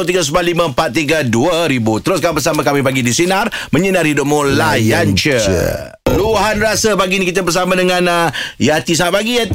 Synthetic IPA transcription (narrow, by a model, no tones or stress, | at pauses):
lt̪iɡas̬əbalimə̃mpat̪̚ːiɡaduəɾibut̪əɾʊskabəs̬amãkamipaɡidisinarmə̃ɲənarhidʊp̚mulajant͡ʃə | luɦanrasəpaɡinikit̪əbərsamãdəŋãnəjat̪isaŋaʔ̪̚paɡijat̪